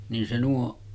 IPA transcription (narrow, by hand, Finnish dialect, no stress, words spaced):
nin se nuo